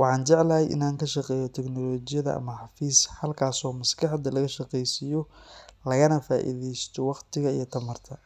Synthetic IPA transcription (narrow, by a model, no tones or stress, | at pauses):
wɑħɑːnt͡ʃɛʕlɐjʔɪ̰naːŋkʰɐʃɑqɛːjɔt̪ʰɛknɔlɔːt͡ʃɪjɐðɐʔɐ̰mɐħɑfiːsħɐlkʰaːsɔːmɐskʰɑħd̪ɐlɐɣɐʃɑqɛjsɪjɔlɐɣɐnɐfaːʔḭðɛjst̪ʰɔwɑqt̪ʰɪɣɐijɔt̪ʰɐmɐrt̪ʰɐ